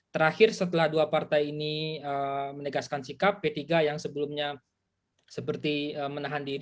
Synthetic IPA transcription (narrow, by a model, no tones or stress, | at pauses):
t̪əɾahɪrsət̪əlahduapart̪ajiniəmənəɡaskansikapːet̪iɡajaŋsəbəlʊmɲa | səpərt̪iəːmənaɦandiɾ